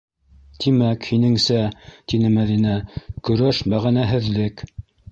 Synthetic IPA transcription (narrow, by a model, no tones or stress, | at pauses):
t̪imækhinɘ̆ŋsæt̪inɘmæðinækɵ̆ɾæʃmæʁænæɦɘ̆ðlɘk